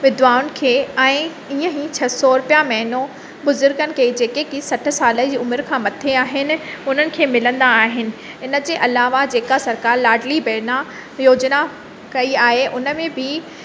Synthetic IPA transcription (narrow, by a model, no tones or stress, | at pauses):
ʋɪd̪ʋaːʊnɪ̆kʰeːɛ̃ː | iːə̃ɦit͡ɕʰɐsɔɾʊpjamɛɦno | bʊzʊɾɡənɪ̆kʰeːd͡ʑeːkekiːsɐʈ̆ʰsaːləd͡ʑiːʊmɪɾkʰãːmɐt̪ʰeaːɦɪnɪ̆ʊn̤ənɪ̆kʰeːmɪlə̃nd̪aːɦɪnɪ̆ | ɪnə̆d͡ʑeːʔɐlaːʋad͡ʑeːkasɐɾkaːɾlaːɖlibeːna | joːd͡ʑna | kɐiaːɦeʔʊnə̆mẽbʱɪ